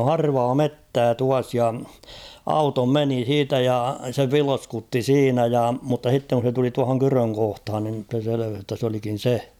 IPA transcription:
o hɑrʋɑː metːæː tuɑs jɑ ɑuto meni siːtæ jɑ se ʋilskutːi siːnæ jɑ mutːɑ h̞itːeŋ kun̞ se tuli tuɑhoŋ kyrøŋ kohthɑn nim b̥̆se seleʋeh jotːɑ s olikin̞ se

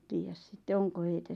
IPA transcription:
tiːjæs sitːe oŋko heitæ

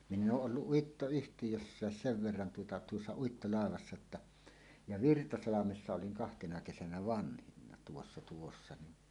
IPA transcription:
minː oːʔ ʔolːuʔ ʔuitːoyhtijøsːæːs seʋ ʋerːɑn tuotɑ tuosːɑ uitːolɑˑeʋɑsːɑ tːɑ jɑ ʋirtɑsɑlɑmesːɑ oliŋ kɑhtenɑ kesænæ ʋɑnhinːɑ tuosːɑ tuosːɑ ni

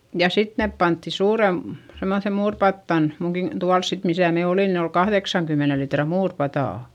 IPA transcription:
jɑ sit neˑp pɑntːi suːrem semːoθem muːrpɑtːɑn muŋkin tuɑls sit misæˑ me oliˑn ni ol kɑhðeksɑŋkymːene litrɑ muːrpɑtɑˑ

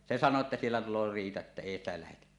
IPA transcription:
se sɑnˑoː ĕtːæ sielːæ tulˑoː riːtɑ etːæ eˑi stæ læhetæ

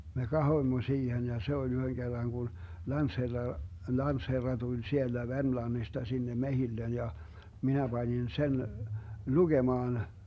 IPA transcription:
me kɑhoĭmːo siːhen jɑ se olʲ yhøŋ ɡ̊erːɑŋ ɡ̊un lɑntsherːɑ lɑntsherːɑ tulʲ sield̥æ ʋermlɑnːistɑ sinːe mehilːen jɑ minæ b̥ɑnʲin sen luɡ̊emɑːn

